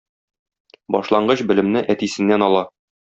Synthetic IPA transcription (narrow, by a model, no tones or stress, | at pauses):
bɒʃlˠɑɴɢɤɕbɘ̆lɘ̆mnɘʔæt̪isɘ̆nːænɒlˠɑ